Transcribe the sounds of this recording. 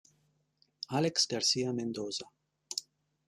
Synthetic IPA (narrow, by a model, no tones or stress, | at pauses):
aleksdaɾsiamend̪oza